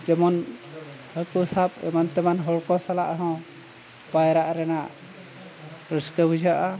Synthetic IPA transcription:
d͡ʒɛmɔn | həɾkusapɛ̰mant̪ɛmanɦɔɽkɔsalaʔɦɔ̃ | bajɾaʔɾɛnaʔ | ɾəskəbud͡ʒaʔa

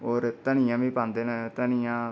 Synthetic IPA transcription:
oːɾt̪ənɪjãːʋĩːpãːnd̪eːnə̃t̪ənɪjãː

